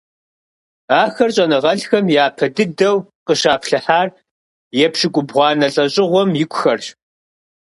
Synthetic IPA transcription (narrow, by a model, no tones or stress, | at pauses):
aːxɐrɕʼɐnɨʁɐɬxɐmjaːpʰɐdɨdɐwqəʃaːpʰɬɨħaːr | jɛpʰʃɪkʷʼʊbʁʷɑːnɐɬʼɐɕʼɪʁʷɔmjɪkʷʼʊxɐrɕ